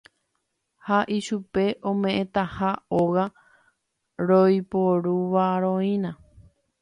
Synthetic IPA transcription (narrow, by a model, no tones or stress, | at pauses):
haʔiʃupe̞ʔõmẽ̞ʔẽt̪ahaoɣa | ɾojpoɾuʋaɾõĩnã